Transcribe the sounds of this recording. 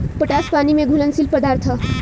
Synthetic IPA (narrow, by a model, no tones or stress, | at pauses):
pəʈaspanimeɡʱulʌnsilpʌd̪art̪ʰʌ